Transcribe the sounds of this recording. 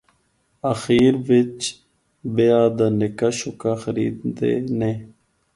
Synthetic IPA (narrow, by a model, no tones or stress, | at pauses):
axiːɾʋɪt͡ʃ | bejaːd̪aːnɪkaʃʊkaːxəɾḭːd̪d̪ḛːne